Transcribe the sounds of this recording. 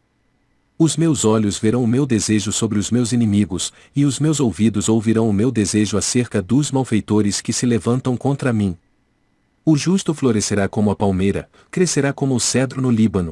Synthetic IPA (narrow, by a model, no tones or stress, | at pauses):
ʊzmewzɔʎʊzveɾɐ̃w̃ʊmewd̪ezeʒʊsobɾɪʊzmewzinĩmiɡʊs | ɪʊzmewzowvid̪ʊzowviɾɐ̃w̃ʊmewd̪ezeʒʊaseɾkɐd̪ʊzmawfejt̪oɾɪskɪsɪlevɐ̃nt̪ɐ̃w̃kõnt̪ɾɐmĩ | ʊʒust̪ʊfloɾeseɾakõmʊɐpawmejɾɐ̰ | kɾeseɾakõmʊːsɛd̪ɾʊnʊlibɐ̃nʊ